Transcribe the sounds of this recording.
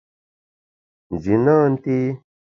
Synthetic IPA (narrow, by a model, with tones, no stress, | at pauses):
n˨d͡ʒi˨nãː˦n˦t̪i˦